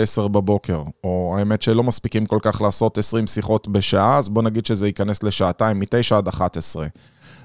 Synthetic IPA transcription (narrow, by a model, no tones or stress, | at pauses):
eseʁbabo̞ke̞ʁo̞aeme̞t̪ʃelo̞maspikimko̞lkaχlaːso̞t̪e̞sʁimsiχo̞tbeʃaʔaazbo̞naɡid̪ʃezeikane̞sle̞ʃaːtaimːite̞jʃaad̪aχat̪esʁe̞